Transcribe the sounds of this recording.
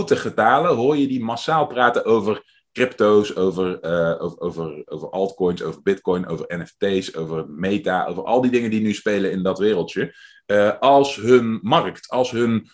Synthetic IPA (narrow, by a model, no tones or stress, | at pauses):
wtəχətaːləɦoːɹjədimasaːlˠpraːtənowvər | krɪptowsowvəroowvərowvəɹʔɑlˠtkɔjnso̰wvəɹbɪtkɔjnʔo̰wvəɹɛnɛftejsowvərmejtaːʔo̰wvərʔɑ̰lˠdidɪŋəndinyspejləɪndɑtʋɪːrəlˠtjə | əʔɑlˠsɦɵnmɑrktɑlˠsɦɵn